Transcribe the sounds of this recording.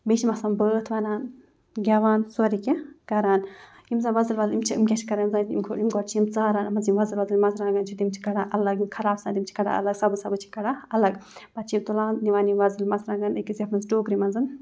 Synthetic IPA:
bet͡ʃʰimɐsaːmbəːt̪ʰʋɐnaːn | ɡʲɐʋaːnsuɔɾikʲɛkɐɾaːn | imzanʋɐzɨlʋɐzɨlimt͡ʃʰiḭmkʲɛt͡ʃʰi̥kɐɾaːnzaːnimkʰoimɡɔɾt͡ʃʰiimt͡saːɾaːnɐmɐzimʋɐzɨlʋɐzɨlmɐzɾãːŋɡɐnt͡ʃʰud̪imt͡ʃʰi̥kɐɽaːʔɐlɐɡimkʰɐɾaːbsaːd̪imt͡ʃʰi̥kɐɽa̰ɐ̰lɐɡsɐbɨsɐbɨt͡ʃʰi̥kɐɽaːɐlɐɡbɐt͡ʃʰiimt̪ulaːnniʋaːnimʋɐzɨlmɐzɾãːɡɐnɐkizʲɐpmɐzʈoːkɾimɐnzɨn

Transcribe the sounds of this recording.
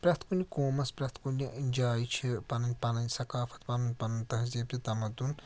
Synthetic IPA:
pɾɐkt̪ʰkunikoːmɐspɾɐkt̪ʰkuniʔinʲd͡ʒaːjit͡ʃʰipɐnɐnʲpɐnɐnʲsɐkaːfɐ̥t̪pɐnunʲpɐnɐnʲt̪ɐɦɐzeːp̚t̪it̪ɐmɐd̪un

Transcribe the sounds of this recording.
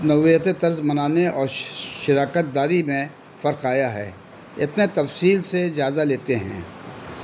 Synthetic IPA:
nɐʋjət̪et̪ɐɾzmɐnaːneɔːɾʃɪɾaːkət̪̚d̪aːɾimẽ | fɐɾqaːjaɦɛ̰ː | ɪ̰t̪net̪ɐfsiːlsed͡ʒaːzaleːt̪eɦɛ̰̃ː

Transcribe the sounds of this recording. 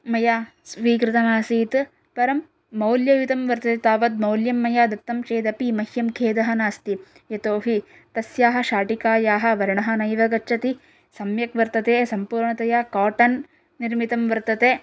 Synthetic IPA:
mɐjaː | sʋiːkɾɪt̪ɐnaːsiːt̪ | pɐɾɐmː | ɐwljɐʋit̪ɐmʋɐɾt̪ɐt̪et̪aːʋɐd̪̚mɐwljɐmːɐjaːd̪ɐk̚t̪ːɐmt͡ʃeːd̪ɐpimɐɦjɐmkʰeːd̪ɐɦɐnaːst̪i | jɐt̪oːɦi | t̪ɐsjaːɦɐ̆ʃaːʈikaːjaːɦɐ̆ʋɐɾɐɳɐɦɐnɐjʋɐɡɐt͡ʃʰːɐt̪i | sɐmjɐkʋɐɾt̪ɐt̪eːsɐmpuːɾɳɐt̪ɐjaːkaːʈɐnː | iɾmit̪ɐmʋɐɾt̪ɐt̪eː

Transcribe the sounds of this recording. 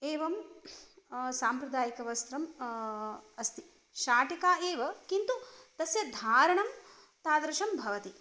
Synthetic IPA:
eːʋɐm | saːmpɾɐd̪aːjikɐʋɐst̪ɾɐm | ɐst̪i | ʃaːʈikaːʔeːʋɐkint̪ut̪ɐsjɐd̪ʱaːɾɐɳɐm | t̪aːd̪ɾɐʃɐmbʱɐʋɐt̪i

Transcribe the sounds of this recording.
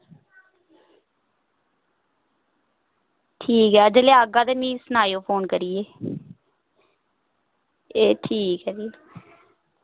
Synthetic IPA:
ʈʰiːkɦɛːd͡ʒəleːaːɡãːd̪eːnĩːsənaːjoːpʰoːnkəɾijeː | eːʈʰiːkɦɛːd͡ʒi

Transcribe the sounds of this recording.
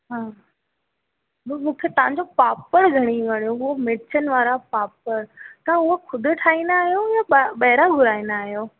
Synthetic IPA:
ɦaː | mmũːkʰet̪ɐʋ̤ãɲd͡ʑopaːpəɾɡʱɐɽ̃iʋɐɽ̃ijoɦʊɦomɪɽt͡ɕənɪ̆ʋaːɾapaːpəɾt̪ɐãʊɦoxʰʊd̪ʱʊ̆ʈʰaːĩnd̪aːɦijojaɓɐɦɪɾaɡʱʊɾaːĩnd̪aːɦjoː

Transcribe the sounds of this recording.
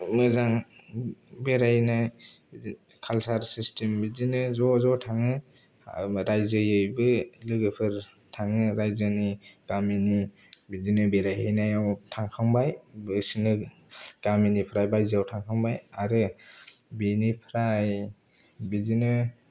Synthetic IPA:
mɯzaŋ | beɾajhna | kʰalsaɾsistʰembizinɯzɔzɔtʰaŋɯ | ɾajzɯjɯjbɯlɯɡɯpʰɯɾ | tʰaŋɯɾajzɯniɡ̥amini | bizinɯbeɾajɦɯjnajawtʰaŋkʰaŋbajbɯsinɯ | ɡ̥aminipʰɾajbajziawtʰaŋkʰaŋbajaɾɯ | binipʰɾaj | bizinɯ

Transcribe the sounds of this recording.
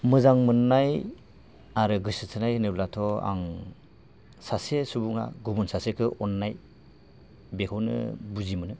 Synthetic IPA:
mɯzaŋmɯnːaj | aɾɯɡɯsɯtʰɯnajnɯblatʰɔa̰ŋ | sasesubuŋa̰ɡubunsasekʰɯʔɔnːaj | bekʰownɯ̰buzimɯnɯ

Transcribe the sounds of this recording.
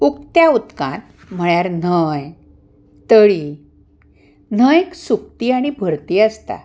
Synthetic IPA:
ukt̪jaut̪kã̰t̪̚ | m̤əɭjaɾn̤əj | t̪əɽi | n̤əjeksuk̚t̪iaɽ̃ibʱəɾt̪iːəst̪a̰

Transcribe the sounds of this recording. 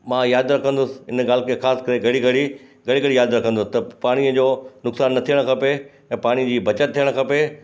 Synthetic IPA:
mãjaːd̪ɾɐkʰə̃nd̪ʊsɪ̥̆ɪ̰nɡaːl̤ɪkʰeːxaːskɐɾeɡɐɽiɡɐɽi | ɡɐɽiɡɐɽijaːd̪ɾɐkʰə̃nd̪ʊsɪt̪ɐpaːɽ̃iəd͡ʑoːnʊksaːnːɐt̪ʰijəɽ̃kʰɐpe | ɛ̃ːpaːɽ̃id͡ʑiːbʱɐt͡ɕət̪t̪ʰːijəɽ̃kʰɐpe

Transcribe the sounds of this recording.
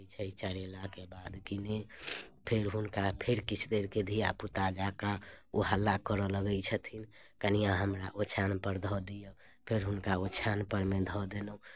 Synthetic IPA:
t͡ʃʰəit͡ʃəɾelakebad̪kinepʰeɾɦunkapʰeɾkit͡ʃʰd̪eɾked̪ʱijaput̪ad͡ʒakauɦalːakəɾɔləɡəjt͡ʃʰət̪ʰin | kənijãɦəmɾa̰ʔot͡ʃʰanpəɾd̪ʱɔd̪ijə | pʰeɾɦunkaot͡ʃʰanpəɾmed̪ʱɔd̪eno

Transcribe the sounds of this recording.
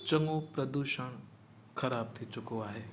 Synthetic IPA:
t͡ʃɐŋɡopɾɐd̪uːʃəɳ̃ | kʰɐɾaːb̚t̪ʰit͡ʃʊkoaːɦeː

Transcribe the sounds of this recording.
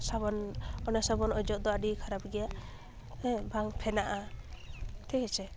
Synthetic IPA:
sabɔnɔnɛsabɔnɔd͡ʒɔd̪ɔaɖikʰaɾabɡɛjaʔ | bʱaŋpʰɛnaʔa | t̪ʰikɛt͡ʃʰɛ

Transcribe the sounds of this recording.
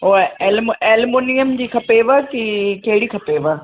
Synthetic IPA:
ɦoeːlmeːlmoːnijəmd͡ʑiːkʰɐpeʋəkikɐɦɪɽikʰɐpeʋə

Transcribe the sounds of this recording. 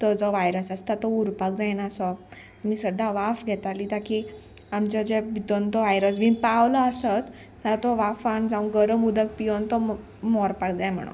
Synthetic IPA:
t̪ɔd͡zɔʋajɾəsast̪at̪ɔuɾpak̚d͡zajnasɔ | amiːsəd̪ʱːaʋafɡʱɛt̪alit̪aki | amt͡ɕəd͡ʑebid̪ɔnt̪ɔʋajɾəs̬bʱinpaʋləːsət̪ː | at̪ɔʋafand͡zãũɡəɾəmud̪ək̚pijɔnt̪ɔ | mɔɾpakd͡zajm̤ə̰ɽ̃ṵ

